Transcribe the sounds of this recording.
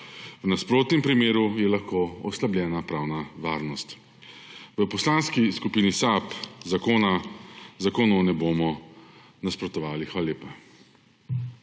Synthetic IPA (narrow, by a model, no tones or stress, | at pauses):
wnaspɾoːt̪nɛmpɾimeːɾujɛlaxkoːɔslabljɛːnapɾaːwnaʋaːɾnɔst̪ | ʋəpɔslaːnskiskupiːnisapzakoːnazakoːnɔwnɛboːmɔ | naspɾɔt̪ɔʋaːlixʋaːlalʲeːpa